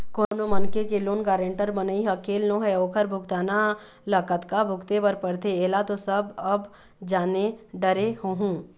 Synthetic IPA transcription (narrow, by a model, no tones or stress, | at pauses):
koːnomənkekeloːnɡaːɾə̃ɳʈəɾbənəiɦəkeːlnoɦɛoːkʰəɾbʱʊkt̪aːna | ləkət̪kabʱʊkt̪epəɾpəɾt̪ʰeeːlat̪osɐbɐb | d͡ʒaːneɖəɾehoɦũː